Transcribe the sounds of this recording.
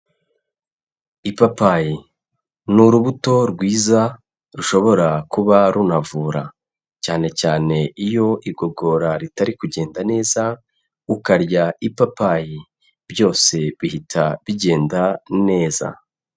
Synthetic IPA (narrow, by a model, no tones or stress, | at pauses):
ipapaji | nuɾuβuto̞ɾɡwiːza | ɾuʃo̞βo̞ɾakuβaɾunavuːɾa̰ | caːne̞caːne̞ijo̞ʔiɡo̞ɡo̞ɾaɾitaɾikuɟe̞ːndane̞ːza | ukaɾɟaipapaji | bjo̞ːse̞βihitʰaβiɟe̞ːndane̞ːza̰